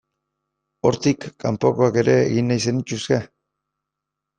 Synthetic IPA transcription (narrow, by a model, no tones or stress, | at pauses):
o̞ɾt̪ikːampo̞ko̞ake̞ɾe̞̰ːɣinːajse̞nit͡ʃuske̞